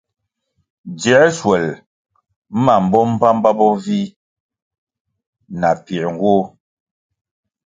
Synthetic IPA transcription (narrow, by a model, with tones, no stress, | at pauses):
d͡ʒɛ˨˦swɛ˨l | ma˨m̩˨bɔ˦m˦pa˦m˦ba˦bɔ˦vi˦ | na˨pi˨ɾŋ˨ɡwo˦